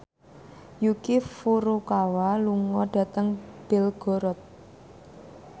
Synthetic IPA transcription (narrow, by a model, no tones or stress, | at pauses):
jukifuɾokawaluŋɔɖ̥ä̤t̪əŋb̥elɡ̥ɔ̤ɾɔt̪̚